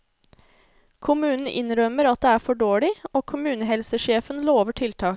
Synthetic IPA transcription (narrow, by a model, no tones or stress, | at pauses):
kʰʊmʉːnn̩ʔɪ̰nɾœməɾɑt̪̚d̪eːæːɾfɔɖoːɭɪoːkʰʊmʉːnəɦɛlsəʃeːfənloːʋəʈʰɪlt̪ʰɑː